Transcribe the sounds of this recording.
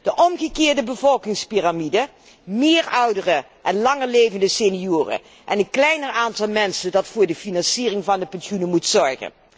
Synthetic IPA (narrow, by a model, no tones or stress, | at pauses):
d̥əʔɔmɣəkɪːɹdəbəvɔlˠkɪŋspiramidə | mɪːɹʌwdərə | ʔɛnlɑŋəɹlejvəndəsenijuːrə̰ | ʔɛnənklɛjnəɹaːntɑlˠmɛnsəndɑtfʊːɹdəfinɑnsiːrɪŋvɑndəpɛnsunəmutsɔɹχə̰n